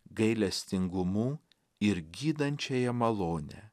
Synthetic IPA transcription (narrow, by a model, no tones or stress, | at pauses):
ɡɐɪlʲɛsʲt̪ʲɪŋɡʊmuː | ɪɾɡʲiːd̪ɐnʲt͡ʃʲɛjɛmɐlˠoːnʲɛ̰